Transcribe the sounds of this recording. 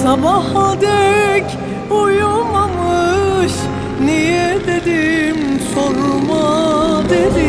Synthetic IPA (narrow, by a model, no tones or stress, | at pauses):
sabahad̪ɛk | ojumamɯʃ | nijɛd̪ed̪imsoɾumad̪ed̪i